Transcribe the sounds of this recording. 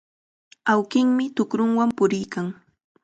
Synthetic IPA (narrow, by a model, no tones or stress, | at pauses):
awkɪŋmɪt̪ʊkɾʊŋwampʊɾɪjkaŋ